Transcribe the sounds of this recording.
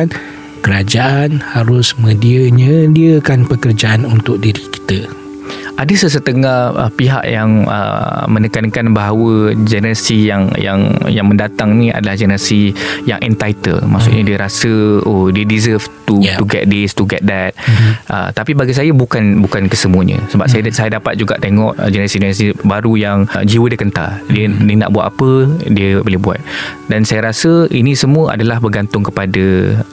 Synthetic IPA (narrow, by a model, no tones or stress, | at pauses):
n | kəɾad͡ʒaʔanhaɾʊsmə̃diəɲə̃liəkanpəkərd͡ʒaʔanunt̪ʊk̚diɾiki̥t̪ə | ʔadəsəs̬ət̪əŋahə̰piɦa̰ʔjaŋə̰mənəkankanbaɦawəd͡ʒənəɾasijaŋja̰ŋjaŋmə̃ndat̪aŋnĩa̰dalahd͡ʒənəɾasija̰ŋʔɛ̰nt̪ajt̪ə̰lmaʔsʊ̰ʔɲadiəɾasəodiədizəft̪ut̪uɡɛ̰t̪̚d̪ɪst̪uɡɛt̪̚dɛt̪̚ʔə̰t̪apibaɡis̬ajabukanbukankəsəmuəɲə̰̃səba̰p̚sajasajadapat̪̚d͡ʒuɡa̰ʔt̪eŋɔʔd͡ʒənəɾasid͡ʒənəɾas̬ibaɾujaŋd͡ʒiwədiəkənt̪a̰ldiənina̰ʔbuat̪a̰pədiəbolɪhbua̰t̪̚ | dansajaɾasəinĩsəmũəa̰dalahbərɡant̪ʊŋkəpadə